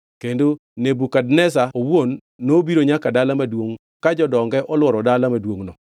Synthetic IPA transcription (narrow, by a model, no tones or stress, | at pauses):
kendo | nebukadnɛsaowonː | obiɾoɲakadalamadwoŋ | kad͡ʒɔdɔŋɡɛʔɔlwɔɾɔdalamadwoŋnɔ